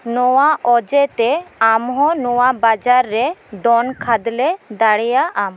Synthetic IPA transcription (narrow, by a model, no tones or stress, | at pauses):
nɔwaʔɔd͡ʒɛt̪ɛamɦɔ̃nɔwabad͡ʒaɾːɛd̪ɔnkʰad̪lɛd̪aɽɛjaʔam